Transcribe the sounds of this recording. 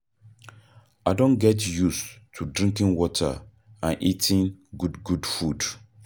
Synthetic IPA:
aɪdõnɡɛtjustʰudɹĩŋkĩnwɔtʰə̰ | ãnʔitʰĩnɡudɡudfud

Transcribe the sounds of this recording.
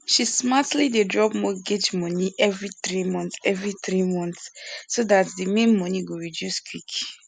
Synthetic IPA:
ʃismatlidedɹɔpmɔɡed͡ʒmɔ̃niʔɛvɹiθɹimɔ̃ntɛvɹiθɹimɔ̃nθsodatdimẽnmɔ̃niɡoɹidjuskwik

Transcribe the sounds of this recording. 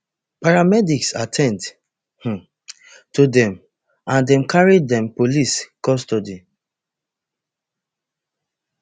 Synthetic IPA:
paɹamɛdiksatʰɛ̃nd | h̩ | tudɛ̃m | ʔãndɛ̃mkʰaɹidɛ̃mpoliskɔstodi

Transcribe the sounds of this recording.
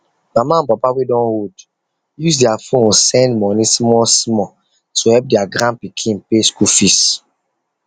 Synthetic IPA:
mamaãnpapawedɔ̃nhod | jusdɛafõnsɛ̃ndmɔ̃nismɔsmɔ | tʰuhɛp̚dɛaɡɾãnpikʰĩnpeskufis

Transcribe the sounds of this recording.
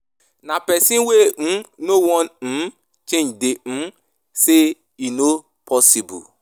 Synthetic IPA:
napɛsĩnwen̩nowɔn̩ | t͡ʃẽd͡ʒde | se | ino | pʰɔsibṵ

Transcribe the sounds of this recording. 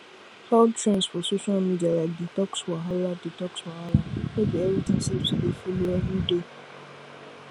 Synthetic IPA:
hɔdtʰɹɛ̃nsfɔsoʃalmidialaditɔkswaɦaladitɔkswahalaedeeɾitʰɪ̃nsesidefuliɛɦĩde

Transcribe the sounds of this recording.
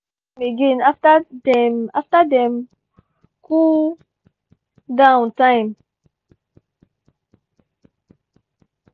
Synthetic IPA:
biɡĩnaftadɛmaftadɛm | ku | dãʊ̃ntãjm

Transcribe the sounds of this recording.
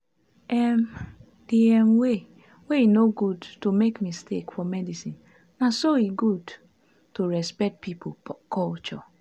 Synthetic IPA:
ʔɛm | d̥iɛmwe | weinoɡudtumekmistekfɔmɛdisĩn | nasoiɡud | tuɹɛspɛk̚t̚pʰipokʰɔlt͡ʃɔ̰

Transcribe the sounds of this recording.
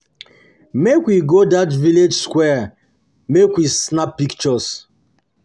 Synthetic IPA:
mekwiɡodatviled͡ʒskwɛ | mekwisnapːikt͡ʃɔs

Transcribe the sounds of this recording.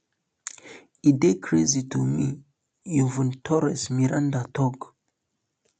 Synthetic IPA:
idekʰɹezitʰumi | juvũntʰɔɾɛsmiɾãndatʰɔɡ

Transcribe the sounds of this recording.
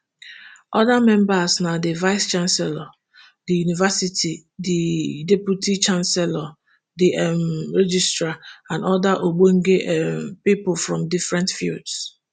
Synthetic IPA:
ɔdamɛ̃mbasnadivaɪst͡ʃãnsɛlɔ | dijunivasitʰi | didepjutit͡ʃãnsɛlɔ | diʔɛmɹed͡ʒistɹaãnɔdaʔoɡ͡boŋ̩ɡeʔmpipʊlfɹɔ̃mdifɹɛ̃ntfilds

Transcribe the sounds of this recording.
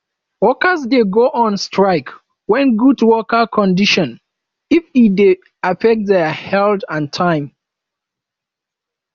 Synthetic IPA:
wɔkəzdeɡoʔɔ̃nstɹaɪk | wɛ̃nɡudwɔkəkʰɔ̃ndiʃɔ̃n | ifide | afɛk̚t̚ðɛhɛldãntʰãɪ̃m

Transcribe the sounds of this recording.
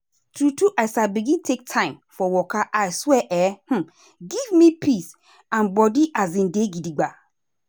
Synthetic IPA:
tʰɾutʰuʔaɪsabiɡĩntʰek̚tʰãɪ̃mfɔwɔkʰaʔaɪswɛʔɛh̩ | ɡivmĩpʰis | ãnbɔdiʔazĩndeɡidiɡ͡ba

